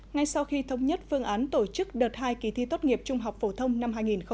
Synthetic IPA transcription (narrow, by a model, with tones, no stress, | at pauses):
ŋa˧jsa˧wxi˧t̪ʰə˨˦wŋ͡mɲə˦˥t̚fɨ˧əŋʔaː˨˦nt̪o˧˩t͡ɕɨ˦˥k̚ɗəː˨˩t̚haː˧jki˧˩t̪ʰi˧t̪o˦˥t̚ŋi˨˩əp̚t͡ɕʊ˧ŋ͡mɦa˨˩wk͡p̚fo˧˩t̪ʰə˧wŋ͡mna˧mɦaː˧jŋi˨˩nxə˧